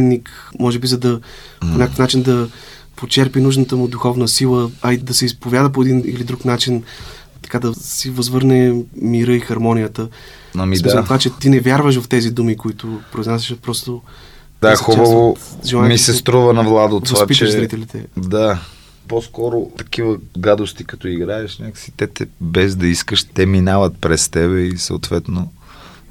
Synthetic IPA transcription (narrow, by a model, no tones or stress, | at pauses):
ɛnnik | mɔʒɛbizɐd̪ɐ | ponʲakəfnat͡ʃind̪ɐ | pot͡ʃɛɾpinuʒnət̪əmud̪uxɔvnəsilˠəɐid̪ɐsɛispovʲjad̪əp̬oɛd̪inḭlid̪ɾuknat͡ʃin | t̪ɐ̥kad̪ɐsivɐzvɤɾnɛmiɾɤixɐɾmɔnijət̪ə | ɐmimisˠvat͡ʃɛt̪inɛvʲjaɾvəʃ̬vɐft̪ɛzid̪umikoit̪ʊpɾoiznasɛʃət̪̚pɾɔst̪o | d̪axubəvoʒɛlˠaɛmisɛst̪ɾuvənɐvlˠad̪ot̪ːvsapitt͡ʃɛʃɾit̪ɛlit̪ɛd̪a | poskɔɾot̪ɐ̥k̟ivəɡad̪ost̪ikɐt̪ɔiɡɾaɛʃnʲakə̥si̥t̪ɛt̪ɛbɛzd̪ɐiskəʃt̪ɛminavɐt̪̚pɾɛst̪ɛβɛisɐ̰ot̪vɛt̪no